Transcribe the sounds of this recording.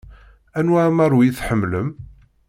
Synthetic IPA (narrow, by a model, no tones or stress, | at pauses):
ænwæmɑɾˤwiθħəmːləm